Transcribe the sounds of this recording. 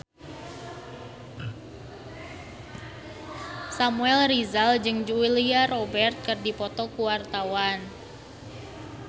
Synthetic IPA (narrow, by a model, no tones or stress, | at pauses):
samuɛlrizald͡ʒɨŋd͡ʒuiliarɔbɛrt̪̚kərdipɔt̪ɔkuwart̪awan